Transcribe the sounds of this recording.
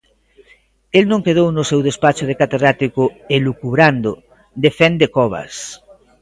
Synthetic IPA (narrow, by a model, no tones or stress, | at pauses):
elnõŋkeð̞ownosewðespat͡ʃoð̞ekat̪eðɾat̪ikoelukuβɾand̪o | d̪efend̪ekɔβa̰s